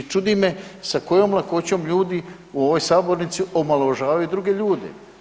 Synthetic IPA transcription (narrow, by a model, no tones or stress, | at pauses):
t͡ʃud̪imesako̞jomlˠako̞t͡ɕo̞mʎuːd̪i | uo̞ʋojsaːbo̞ɾnit̪siʔo̞maloʒaːʋajud̪ɾuɡe̞ʎuːd̪ḛ